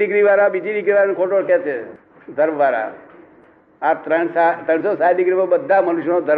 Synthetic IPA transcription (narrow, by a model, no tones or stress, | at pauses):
ɪɡɾiʋaɾãbid͡ʒidiɡɾiʋaɾankʰoʈoɾkɛt͡ʃʰe | d̪ʱəɾmʋaɾa̰ | at̪ɾəɳsat̪ɾəɳ̃sosaɖɪɡɾimãbəd̪ʱːamənuʃjnod̪ʱəɾ